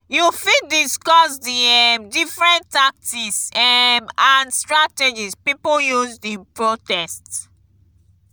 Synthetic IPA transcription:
jufidiskɔsdiɛmdifɹɛ̃ntak̚tisɛmãnstɹatɛd͡ʒispipojuzdĩnpɹotɛst

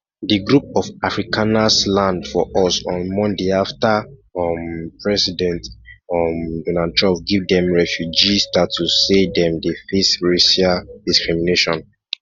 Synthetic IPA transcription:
diɡɹup̚ɔfafɹikʰanaslãndfɔʔɔsɔ̃nmɔ̃ndeaftaɔmpʰɹɛsidɛ̃ntmdɔnatʰɹɔ̃mp̚ɡivdɛ̃mɹɛfjud͡ʒisdatʰːusedɛ̃mdefesɹesiadiskɹimineʃɔ̃n

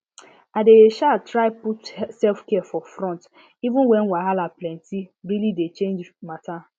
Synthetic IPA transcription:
adeʃatɾaɪputsɛlfkɛafɔfɾɔ̃nt | ivũnwɛ̃nwaɦalaplɛ̃ntiɹilidet͡ʃẽnd͡ʒmata

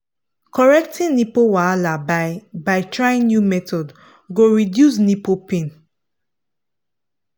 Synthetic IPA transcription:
kʰɔɹɛk̚tĩnipowalababaɪtʰɹaĩnjumɛtʰɔd | ɡoɹidjus̬nipopẽn

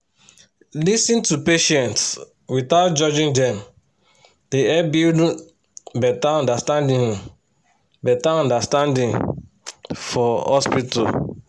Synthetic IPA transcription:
lisĩntupeʃɛ̃nts | wiθaʊt̚d͡ʒɔd͡ʒĩŋdɛ̃m | d̥eɛbild | bɛtaɔ̃ndastãndĩ | bɛtaɔ̃ndastãndĩn | fɔhɔspita̰

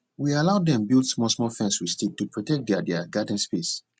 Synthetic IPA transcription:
wialaʊdɛ̃mbilˠdsmɔsmɔlfɛ̃nswistetːupɹɔtɛk̚dɛdɛɡadə̃n̩spes

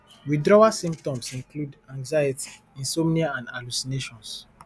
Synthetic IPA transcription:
widɹɔasĩmp̚tɔ̃msĩŋkludãŋzajiti̥ | ĩnsɔmniaãndalusineʃɔ̃ns

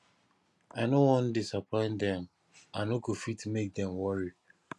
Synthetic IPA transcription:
aɪnowɔ̃ndisapʰɔ̃ɪ̃ndɛ̃m | anokofitmek̚dɛ̃mwɔɹi

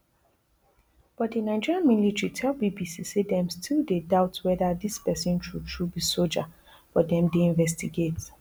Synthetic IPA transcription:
b̥ɔt̚dinaɪd͡ʒiɹiãnmilitɹitʰɛlbibisisedɛ̃mstʰilˠdedaʊtwɛðadispɛsɔ̃nʃudʃubisold͡ʒa | b̥ɔdɛ̃mdeĩnvɛstiɡet

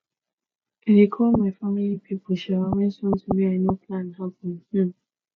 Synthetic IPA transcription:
iɾikʰɔlmaɪfamilipʰipɔʃaawɛ̃nsɔ̃n̩tumiaɪnopʰlãnhapɔ̃nh̩

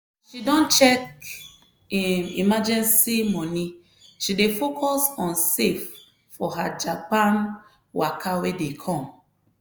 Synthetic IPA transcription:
ʃidɔ̃nt͡ʃɛk | imad͡ʒɛ̃nsimɔ̃ni | ʃidefokʰɔsɔ̃nsefː | ɔɦad͡ʒapãn | wakʰawedekʰɔ̃m

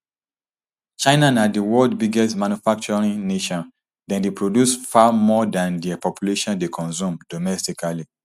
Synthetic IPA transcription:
t͡ʃãɪnanadiwɔldbiɡɛstmãnufak̚t͡ʃɔɹĩŋneʃɔ̃n | dɛ̃ndepʰɹodjusfamɔdãndipɔpjuleʃɔ̃ndekʰɔ̃nsũmdɔmɛstikali

